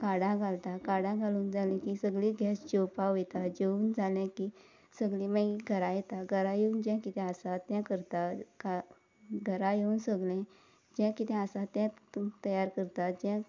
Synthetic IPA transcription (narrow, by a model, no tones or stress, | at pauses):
kaɽãɡʱalt̪akaɽãɡʱaluːnd͡zʱalɛ̃kisəɡlĩɡʱɛsd͡ʑowpaʋet̪ad͡ʑeũːnd͡zʱalɛ̃ki | səɡlĩmaɡiɡʱəɾãjet̪aɡʱəɾãjeund͡ʑɛ̃kit̪ʰɛ̃əsãt̪jãkəɾt̪aka | ɡʱəɾãjeunsəɡlɛ̃ | d͡ʑãkit̪ɛ̃əsãt̪jãt̪əjaɾkəɾt̪ad͡ʑɛ̃